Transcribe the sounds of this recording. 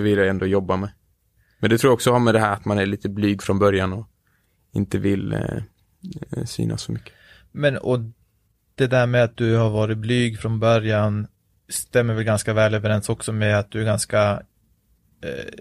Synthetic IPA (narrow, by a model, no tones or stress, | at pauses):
vɪljaɛnd̪oːjɔbːamɛ | mɛnd̪ɛt̪ʰɾuːɾɔksɔhaɾmɛd̪ɛɦæːɾat̪manæɭiːt̪əblyːɡfɾɔnbœɾjanɔ | ɪ̰nt̪əvɪl | sy̰ːna̰sːɔmʏkːə̥ | mɛnɔ | d̪̥ɛd̪æːɾmɛat̪̚d̪ɵhaɾvɑːɾɪt̪̚blyːɡfɾɔnbœɾjan | st̪ɛmːəɾvɛlɡanskavɛːløːvəɾɛnsɔksɔmɛat̪̚d̪ɵæɾɡanska